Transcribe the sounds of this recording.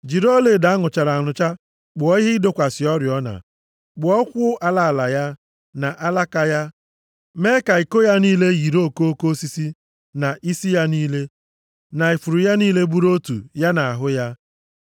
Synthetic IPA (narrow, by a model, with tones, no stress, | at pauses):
d͡ʒi˨ɾo˦le˨da˨a˦ŋʊ˨t͡ʃa˨ɾa˨a˨nʊ˨t͡ʃa˦ | ɡ͡bʊ˨ɔ˦i˦ɦɪ˦do˦kʷa˨sɪ˨ɔ˦ɾjɔ˦na̰˨ | ɡ͡bʊ˨ɔ˦kʷʊ˦ʔa˨la˦˨la˨ja˦ | na˨ʔa˦la˦ka˨ja˦ | me˦ka˨i˨ko˦ja˦niː˦le˦ɣi˨ɾo˦ko˦o˦ko˦si˦si˦ | na˨ʔi˦si˦ja˦niː˦le˦ | na˨e˨fu˨ɾu˨ja˦niː˦le˦bu˦ɾo˦tṵ˨ja˦na˨a˨ɦʊ˦ja˦